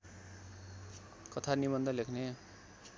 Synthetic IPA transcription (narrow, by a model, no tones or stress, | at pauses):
kʌt̪ʰanibʌnd̪ʱʌlekʰne